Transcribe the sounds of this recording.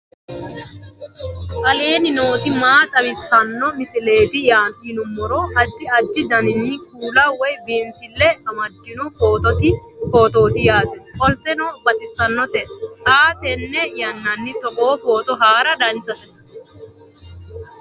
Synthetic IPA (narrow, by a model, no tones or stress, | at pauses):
ʔɐleːnɪno̞ːt̪ɪmaːt̪ʼɐbɪsːɐnːɔmɪsɪle̞ːt̪ɪjaːnhɪnʊmːɔɾɔhɐd͡ʒːɪɐd͡ʒːɪd̪ɐnɪnːɪkuːlɐwɔjbiːnsɪlːɛɐmɐd̪ːɪnɔfo̞ːt̪ɔt̪ɪfoːt̪o̞ːt̪ɪjaːt̪ɛfʼɔlt̪ɛnɔbɐt̪ɪsɐnːɔt̪ɛt̪ʼaːt̪ɛnːɛjɐnːɐnːɪt̪ɔʔoːfo̞ːt̪ɔɦaːɾɐd̪ɐnt͡ʃːɐt̪ɛnɐ